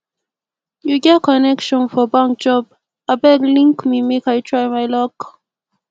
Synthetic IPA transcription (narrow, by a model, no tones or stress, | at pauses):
juɡɛt̚kʰɔnɛkʃɔ̃nfɔbãŋk̚d͡ʒɔb | abɛdlĩŋkmimekajtʰɹajmajlɔk